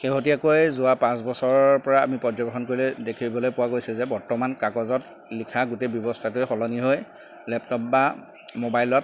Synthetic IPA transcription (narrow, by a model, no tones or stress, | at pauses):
xeɦot̬iakojzʊwapãs̬bɔsɔɹɔpɔɹa̰ːmipɔzɔbexɔnkoɹilɛdekʰibɔlojpʊwakojsɛzɛbɔɹtɔmankakɔzɔt | likʰaɡutejbjɔbɔstʰatʊjxɔlɔniɦoj | lɛptɔp̚ba | mobajlɔt̚